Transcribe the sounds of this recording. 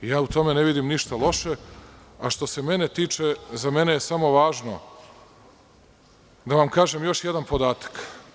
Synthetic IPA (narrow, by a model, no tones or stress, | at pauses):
jaːut̪o̞me̞neʋid̪imniʃt̪alˠo̞ʃe̞aʃt̪o̞se̞me̞net̪iːt͡ʃezame̞nejesamo̞ʋaːʒno̞̰ | d̪aʋamkaːʒemjo̞ʃjed̪anpo̞d̪aːt̪ḁk